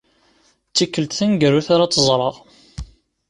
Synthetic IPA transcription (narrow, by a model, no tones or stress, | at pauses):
t͡sːikːəlt̪θænɡəɾuθaɾat͡sːəzˤɾˤɑʁ